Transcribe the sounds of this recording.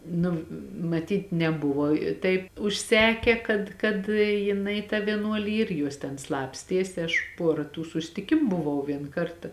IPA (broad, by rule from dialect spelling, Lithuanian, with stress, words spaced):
ˈnʊ mɐˈtʲiːt nʲɛˈbʊʋoː ɪ ˈtɐɪp ʊʃʲˈsʲæːkʲɛ kɐt kɐt jɪˈnɐɪ tɑː ʋʲiɛˈnuɔlʲɪ ˈiːr ˈjuɔs tʲɛn ˈslˠɑːpʲsʲtʲiɛsʲɪ ˈɐʃ ˈpuɔrɐ tuː sʊsʲˈtʲɪkʲɪmʊ bʊˈʋɐʊ ˈʋʲiɛn ˈkɐrtɐ